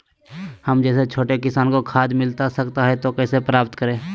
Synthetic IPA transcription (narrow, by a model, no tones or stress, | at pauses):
həmd͡ʒɛːset͡ʃʰoːʈekɪsaːnkokʰaːd̪mɪlt̪asɐkt̪aɦɛt̪okɛːsepɾaːpt̪kəɾẽː